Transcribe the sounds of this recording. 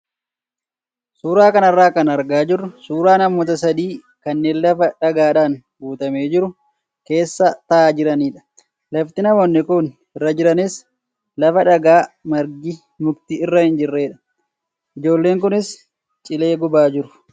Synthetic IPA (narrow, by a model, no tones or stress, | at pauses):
suːɾaːkɐnɐrːaːkɐnɐɾɡaːd͡ʒɪrːʊsuːɾaːnɐmoːt̪̬ɐs̬ɐd̪iː | kɐnːeːnlɐfɐᶑɐɡaːᶑaːn | ɡuːt̪ɐmeːd͡ʒɪɾʊ | ke̞ːsːɐt̪ɐʔaːd͡ʒɪɾɐniːᶑɐ̥ | lɐft̪ɪnɐmoːnːɪkʊn | ɪrːɐd͡ʒɪɾɐnɪs | lɐfɐᶑɐɡaːmɐɾɡɪ | mʊɡt̪ɪɪrːɐhɪnd͡ʒɪrːe̞ːᶑɐ̥ | ʔɪd͡ʒo̞ːlːe̞ːŋk̬ʊnɪs | t͡ʃʼɪle̞ːɡʊbaːd͡ʒɪɾʊ̥